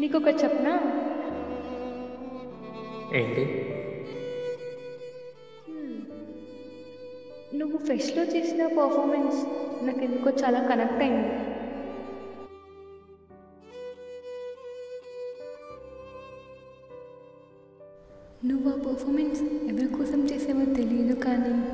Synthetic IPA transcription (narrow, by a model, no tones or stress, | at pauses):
niːkɔkɐt͡ʃɛpnaː | ḛːɳʈi | h̩ | nuʋufesʈloːt͡ʃeːsinapɐɾfʰɔːɾmensnaːkend̪ukoːt͡ʃaːlaːkɐnɛk̚ʈɐjind̪i | nuʋuaːpɐɾfʰɔmensɛʋɐɾikɔːsɐmt͡ʃeːseːmɐt̪elijɐd̪ukaːni